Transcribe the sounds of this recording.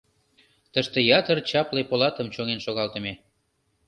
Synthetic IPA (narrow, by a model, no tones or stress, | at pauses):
t̪əʃt̪ejɑt̪ərt͡ɕɑplepolɑt̪əmt͡ɕoŋenʃoɣɑlt̪əme